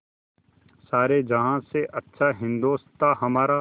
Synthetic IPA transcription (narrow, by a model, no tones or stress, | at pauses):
saːɾed͡ʒɐɦãseʔɐtːʃʰaɦɪ̃nd̪oːst̪aɦɐmaːɾa